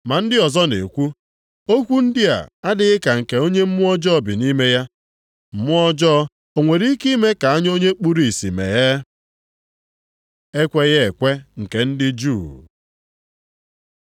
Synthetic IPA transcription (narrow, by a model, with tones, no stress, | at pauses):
ma˨n̩˦dɪ˦ɔ˨zɔ˦ne˨kʷu˦ | o˦kʷu˦n̩˦dɪ˦a̰˨a˦dɪ˦ɣɪ˦ka˨ŋ̩˨ke˨o˦ɲe˦m̩˦mʊ˦ɔ˦d͡ʒɔ˦bɪ˨ni˦me˦ja˦ | m̩˨mʊ˦ɔ˦d͡ʒɔː˦ | o˨ŋʷe˨ɾi˦i˦ki˦me˦ka˨a˦ɲ˦o˦ɲe˦k͡pu˦ɾi˦˨si˨mḛ˨ɣe˦ | e˦kʷe˦ɣe˨kʷe˦ŋ̩˨ke˨n̩˦dɪ˦d͡ʒuː˦˨